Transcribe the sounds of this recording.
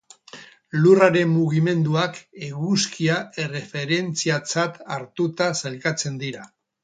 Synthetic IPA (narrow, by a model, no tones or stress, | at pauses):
luraɾe̞mːuɣ̞ime̞nd̪uake̞ɣuskiae̞re̞fe̞ɾe̞nt͡siat͡sat̪aɾt̪ut̪asalkat͡se̞nd̪iɾa